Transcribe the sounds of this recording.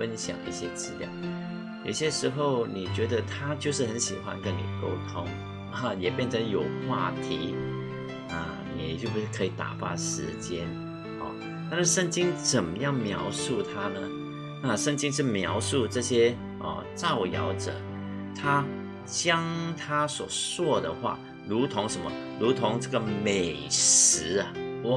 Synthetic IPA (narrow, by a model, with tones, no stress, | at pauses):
fə˥nɕjɑ̰˨˩ŋḭ˥˩ɕjɛ˥ʈ͡ʂɻ̩˥˧ljɑ̰˥˩ʊ | jo̰˨˩ɕjɛ˥ʂɻ̩˧˥xo˥˩ʊni˨˩t͡ɕɥɛ˧˥d̪ə˧t̪ʰa˥t͡ɕjo˥˧ʂɻ̩˥˩xə˧˦nɕi˨˩xwa̰˦nkə˥nnḭ˨˩ko̰˥ʊkʰɑ˥ŋ | ə˧˩jɛ˨˩pjɛ˥˩nʈ͡ʂʰə˧˦njo˨˩ʊxwa̰˥˩t̪ʰḭ˧˥ | ə̰˧˩ | ni˨˩ɛ˨˩t͡ɕjo˥˧˥kʰɤ˧˥i˨˧˥t̪a̰˨˩fa̰˥˩ʂɻ̩˧˥t͡ɕjɛ˥n | xɑ̰˨˩ | t̪a˥˧nʂ̩˥˩ʂə˥˩ŋt͡ɕi˥ŋt͡sə˨˩nə˦jɑ˥˩ŋmjɑ˧˥ʊsu˥˩t̪ʰa˥nə˨ | na˥˧ʂə˥˧ŋt͡ɕi˥ŋʂ̬ɻ̩˥˩mjɑ˧˥ʊsu˥˧ʈ͡ʂɤ˥˧ɕjɛ˥ | ʔə̰˥˨˩t͡sɑ˥˩ʊjɑ̰˧˥ʊʈ͡ʂɤ̰˨˩˦ | t̪ʰa˥ | t͡ɕjɑ˥ŋt̪ʰa˥swɔ̰˨˩swɔ˥˩d̪ə̰˨˩xwa̰˥˩ | ɻu˧˥t̪ʰʊ˧˥ŋʂə˧˥nmə̰˧ | ɻu˧˥t̪ʰʊ˧˥ŋʈ͡ʂɤ˥˩ɡə˨me˨˩ɪʂɻ̩˧˥ɐ˨ɔ˧˥